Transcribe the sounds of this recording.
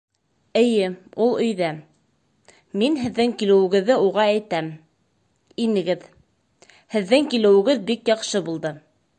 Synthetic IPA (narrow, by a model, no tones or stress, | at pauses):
ɘ̆jɘulˠɵ̆jðæ | minɦɘ̆ðːɘŋkilɘ̆wɘ̆ɡɘ̆ðːɘuʁɑæjt̪æm | inɘ̆ɡɘð | hɘ̆ðːɘŋkilɘ̆wɘ̆ɡɘðbikjɑqʃɤbulˠd̪ɤ